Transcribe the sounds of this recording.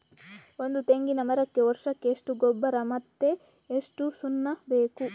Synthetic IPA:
o̞nd̪ut̪e̞ŋɡinɐmɐɾɐkːe̞ʋɔɾʂɐkːeːʂʈuɡɔbːɐɾɐmɐt̪ːe̞ː | ʂʈusunːɐbe̞ːku

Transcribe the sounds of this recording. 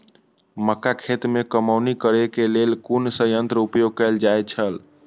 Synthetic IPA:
məkːakʰet̪mekəmawnikəɾekelelkunsəjənt̪ɾəupjoɡ̚kəld͡ʒaet͡ʃʰəl

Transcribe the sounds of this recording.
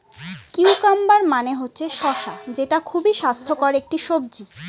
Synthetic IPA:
kiwkambaɾmaneɦotːɕʰeʃɔʃad͡ʑeʈakʰubiʃast̪ʰokɔɾek̚ʈiʃob̚d͡ʑi

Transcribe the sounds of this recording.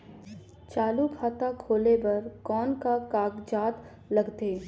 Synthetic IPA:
t͡ʃaːlukʰaːt̪akʰoːlebɐɾkɔːnkakaːɡd͡ʒaːt̪ | lɐɡt̪eː

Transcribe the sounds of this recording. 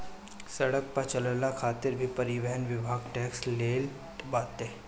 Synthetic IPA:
sɐɽək̚pɐt͡ʃələlakʰaːt̪ɪɾbʱipɐɾɪʋɛɦənʋɪbʱaːɡʈɛːksleːl | baːt̪eː

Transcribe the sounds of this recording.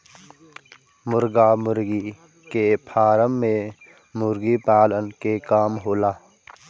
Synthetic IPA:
mʊɾɡamʊɾɡi | kepʰaːɾəmːẽ | mʊɾɡipaːlənkekaːmɦoːlaː

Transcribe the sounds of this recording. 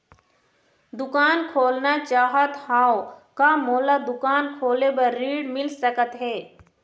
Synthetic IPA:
d̪ʊkaːnkʰoːlnat͡ʃaːɦət̪hãːkamoːlad̪ʊkaːnkʰoːlebəːiːɖmɪlsəkət̪ɦɛː

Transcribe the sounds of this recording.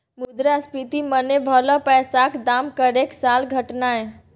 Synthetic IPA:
mud̪ɾaspit̪imənebʱəlɔpɛsakd̪amkəɾeksalɡʱəʈnae

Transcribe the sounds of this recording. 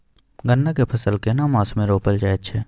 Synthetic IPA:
ɡənːakepʰɐsəlkenamãːsmẽɾoːpəld͡ʒaːeʃʰɛː

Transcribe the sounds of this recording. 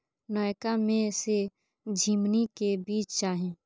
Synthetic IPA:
naːjkamẽse | d͡ʒʱiːmnikebiːt͡ʃt͡ʃaːɦẽː

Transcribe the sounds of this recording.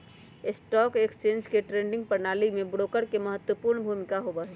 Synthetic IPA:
ɪsʈɔːkekst͡ʃẽːɲd͡ʒkeʈɾẽːɳɖɪ̃ŋɡ̚pɐnaːlimẽbɽoːkəɾkemɐɦət̪wəpuːɾnbʱuːmɪkaɦobaɦɛː

